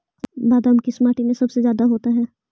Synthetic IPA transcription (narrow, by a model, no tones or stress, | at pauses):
baːd̪əmkismaːʈimẽsɐbsezjaːd̪aɦoːt̪aɦɛː